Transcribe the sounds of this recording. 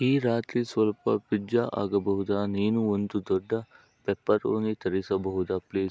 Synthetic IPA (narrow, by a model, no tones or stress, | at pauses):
ɦiːɾaːt̪ɾiːsɐlpɐ̰pɪd͡ʒaʔa̰ɡɐbɐɦud̪aːniːnuʋɐnt̪ud̪ɔɖa | peːpːɐɾoːnit̪ɐɾisɐbɐɦud̪apliːs